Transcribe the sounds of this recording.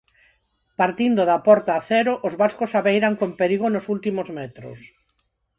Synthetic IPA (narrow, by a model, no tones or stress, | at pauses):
paɾt̪ind̪oðapɔɾt̪aːθɛɾoʔozβaskosaβejɾaŋkompeɾiɣonosult̪imozmɛt̪ɾo̰s